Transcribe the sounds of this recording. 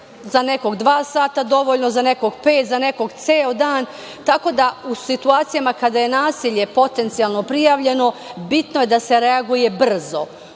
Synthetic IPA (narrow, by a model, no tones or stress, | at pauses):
zane̞ko̞ɡd̪ʋaːsaːt̪ad̪o̞ʋoʎnozane̞ko̞ɡpe̞ːt̪zane̞ko̞ɡt̪seːod̪aːn | t̪ako̞d̪ausit̪uaːt̪sijamakad̪aje̞naːsiʎe̞po̞t̪e̞nt̪sijalˠno̞pɾijaʋʎe̞no̞bit̪noje̞d̪ase̞ɾeaɡuje̞br̩zo̞